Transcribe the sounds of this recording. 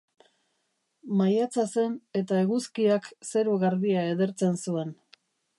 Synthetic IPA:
majat͡sase̞ne̞t̪aeɣuskiakse̞ɾuɣaɾðiae̞ðe̞ɾt͡se̞nsue̞n

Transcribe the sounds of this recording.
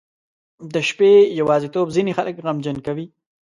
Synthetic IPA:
d̪əʃpejawɑːzit̪obzinixaləkɣamd͡ʒankawi

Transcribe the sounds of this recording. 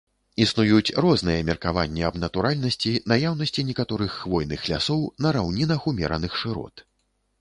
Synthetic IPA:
isnujut͡sʲrɔznɨjɛmʲɛrkava̰nʲːɛɐbnɐt̪uɾʔalʲnɐsʲt͡sʲinajawn̪ɐsʲt͡sʲinʲɛkat̪ɔɾɨxːvɔjnɨxlʲa̰sɔwnɐɾawnʲinɐxumʲɛ̰ɾɐnɨxʂɨɾɔ̰t̪

